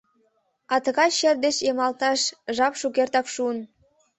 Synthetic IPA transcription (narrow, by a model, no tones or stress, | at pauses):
ɑt̪əɣɑʃerd̪eʃjemɑlt̪ɑʃʒɑpʃukert̪ɑkʃuən